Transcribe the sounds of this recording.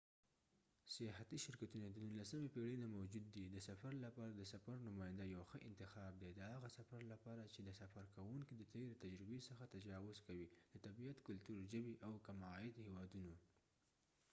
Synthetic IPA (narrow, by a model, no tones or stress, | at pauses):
sɪjɑɦat̪iʃɪɾkat̪unad̪ənunlasəmepeɽenamawd͡ʒud̪ːid̪əsafaɾlapɑɾad̪əsafaɾnʊmɑjɪnd̪ajawxəʔɪnt̪ɪxɑb̚d̪ed̪əhaɣasafaɾlapɑɾat͡ʃed̪əsafaɾkawuŋkid̪ət̪eɾet̪ad͡ʒɾɪbesəxat̪ad͡ʒɑwʊzkawid̪̥ət̪abiat̪kʊlt̪uɾʒəbiʔawkamɑɪd̪hewɑd̪uno